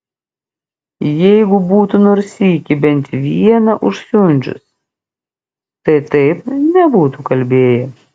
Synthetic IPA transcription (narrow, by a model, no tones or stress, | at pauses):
jɛɪɡʊbuːt̪unoːɾʲsʲiːkʲɪbʲɛnʲˑt̪ʋʲiɛnɐʔʊʃsʲʊnʲd͡ʒʲʊ̰s | t̪ɐɪt̪ɐɪpnʲɛbuːt̪ukɐlʲbʲeːjɛ